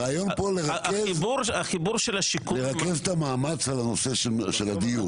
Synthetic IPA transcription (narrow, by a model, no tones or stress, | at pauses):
aːjonpoleʁakeivbuʁaχibuʁʃelaʃikuleʁakevt̪amaːmat͡salano̞seʃʃelad̪iju